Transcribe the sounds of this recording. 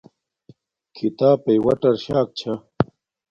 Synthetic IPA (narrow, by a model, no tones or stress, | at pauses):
kʰit̪aːpɐjwɐ̰ʈɐɾɕaːk̚t͡ɕʰa